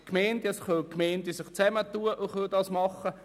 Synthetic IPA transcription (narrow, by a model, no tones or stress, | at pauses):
kmɛɪndɛsχølkmɛɪndisɪχt͡sɛmətuːəʔʊχøldɑsmɑχə